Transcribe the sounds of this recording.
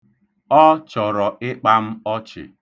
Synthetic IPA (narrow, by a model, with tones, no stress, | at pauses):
ɔ˦t͡ʃɔ˨ɾɔ˨ɪ˦k͡pa˦m̩˦ɔ˦t͡ʃɪ̰˨